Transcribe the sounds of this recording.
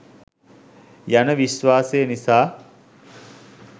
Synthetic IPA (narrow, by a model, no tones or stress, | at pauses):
janəʋiʃʋaːsejənisaː